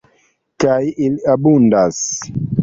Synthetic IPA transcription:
kajilabundas

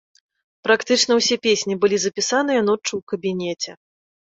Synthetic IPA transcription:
pɾakt̪ɨt͡ʂn̪ɐwsʲɛpʲesʲnʲibɨlʲizɐpʲisanɨjɐnɔt͡ʂːɨwkɐbʲinʲɛt͡sʲɛ

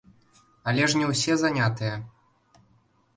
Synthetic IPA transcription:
ɐlʲɛʂnʲɛwsʲɛzanʲat̪ɨjɐ

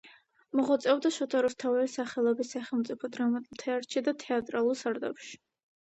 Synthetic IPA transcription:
mɔʁɔt̪sʼɛvd̪aʃɔt̪ʰaɾɔst̪ʰavɛlisaχɛlˠɔbisːaχɛlˠmt̪sʼipʰɔd̪ɾamat̪ʼulˠt̪ʰɛaɾʃʰid̪at̪ʰɛat̪ʼɾalˠuɾsaɾd̪a̰pʃi̥

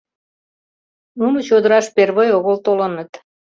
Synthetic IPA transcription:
nunot͡ɕod̪əɾɑʃperβəjoɣolt̪olənət̪

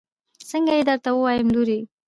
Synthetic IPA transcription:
səŋɡajed̪əɾt̪awəwɑjəmluɾi

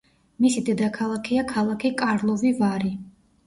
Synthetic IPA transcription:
misid̪ɛd̪akʰalˠakʰiakʰalˠakʰikʼaɾlˠɔvivaɾi

